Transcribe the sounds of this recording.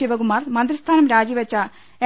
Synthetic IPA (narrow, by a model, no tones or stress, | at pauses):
iʋɐɣumaːrmɐnd̪rist̪ʰaːnɐmɾaːd͡ʑiʋɐt͡ɕːɐ | e